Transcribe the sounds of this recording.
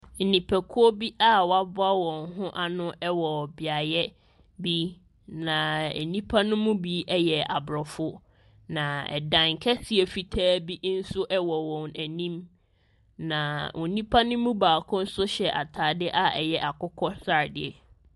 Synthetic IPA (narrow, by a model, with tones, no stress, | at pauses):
n̩˨nĩ˨pʰæ˨kʰʊ˦ɔ˦bi˦ʔa˦wɔ˦a˦bʊ˦a˦wɔ̃˨nɦʊ̃˦ʔa˨nʊ̃˦ʔɛ˦wɔ˨bɪ˨a˨jɛ˦ | bi˦ | nã˨æ̰˨nĩ˦pʰa˦nʊ̃˦mũ˦bi˦ɛ˦jɛ˨a˨bɾɔ˨fʊ˦ | nã˨ɛ̰˨dã˨ŋkʰɛ˦sɪ˨e˨fi˨tʰæː˦bi˦n̩˦sʊ˦ʔɛ˦wɔ˨wɔ̃˨næ˨nĩ˦m | nã˨ʔʊ˨nĩ˦pʰa˦nʊ̃˦mũ˦baː˨kʰʊ̃˦n̩˦sʊ˦ɕɛ˨ʔa˨tʰaː˨dɪ˦ʔa˦ɛ̰˨jɛ˦ʔa˨kʊ˦kʰɔ˦sa˦˨dɪ˦˨ɛ˨